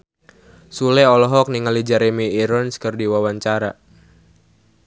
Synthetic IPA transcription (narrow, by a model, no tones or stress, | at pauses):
sulɛɔlɔɦɔk̚niŋalid͡ʒaɾemiːɾɔnskərdiwawaɲt͡ʃaɾa